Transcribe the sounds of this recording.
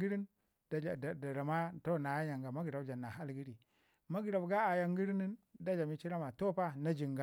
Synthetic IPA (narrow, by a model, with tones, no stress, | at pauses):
ɡi˦ɾi˦n | dda˨da˨ma˦to˦˨na˨ja˦ja˨ŋɡa˨ma˦ɡi˨ɾa˨bd͡ʒa˨nːa˨ɦa˦lɡi˦ɾi˨ | ma˦ɡi˨ɾa˨bɡa˦a˨ja˦ŋɡi˦ɾi˦ni˦nda˦d͡ʒa˨mi˦t͡ʃi˦ɾa˦ma˨to˦pa˦na˦d͡ʒi˨ŋɡa˨